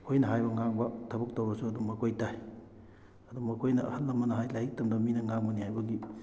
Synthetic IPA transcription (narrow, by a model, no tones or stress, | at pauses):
kʰojnɐɦajbɐŋaŋbɐtʰɐbɐk̚towbɐsuɐdumɐkʰojtaj | ɐdumɐkʰojnɐɐ̰hɐtːɐmːɐnɐɦajlajik̚tɐmdɐminɐŋaŋbɐnihajbɐɡi